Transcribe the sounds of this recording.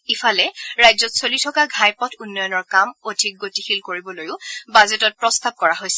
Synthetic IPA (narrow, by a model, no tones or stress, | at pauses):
ifʰalɛɹajzɔtsolitʰɔkaɡʱajpɔtʰunːɔjɔnɔɹkamodʱik̚ɡotixilkoɹibɔlojʊbazetɔt̚pɹɔstab̚kɔɹaɦojsɛ̥